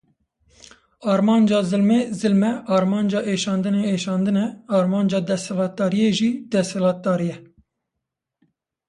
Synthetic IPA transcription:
ɑːɾmɑːnd͡ʒɑːzɨlmezɨlmɛʔɑːɾmɑːnd͡ʒɑːʔeːʃɑːnd̪ɨneeːʃɑːnd̪ɨnɛɑːɾmɑːnd͡ʒɑːd̪ɛshɛlɑːt̪̚d̪ɑːɾijeːʒiːd̪ɛshɛlɑːt̪̚d̪ɑːɾijɛ

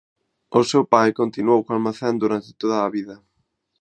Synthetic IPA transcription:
ʊsewpajkont̪inuowkoalmaθɛnd̪uɾant̪ɪ̥t̪oðɐːβiðɐ

